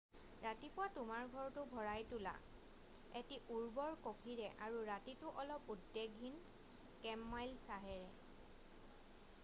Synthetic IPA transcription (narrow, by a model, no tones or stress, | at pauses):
ɹatipʊwatʊmaɹɡʱɔɹtʊbʱɔɹajtʊla̰ | etiʔuɹbɔɹkokʰiɹɛʔaɹuɹatitʊʔɔlɔpudːeɡʱːin | kɛmːajlsaɦɛɹɛ̰